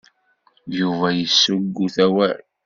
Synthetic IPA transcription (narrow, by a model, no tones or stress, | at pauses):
juvæjəsːʊɡːuθæwæɾ